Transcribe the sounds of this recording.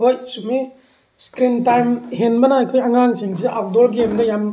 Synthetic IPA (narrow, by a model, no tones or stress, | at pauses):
bɐsume | skɾintajmhenbɐnɐajkʰojɐŋaŋsiŋsiʔap̚doɾɡemdɐjam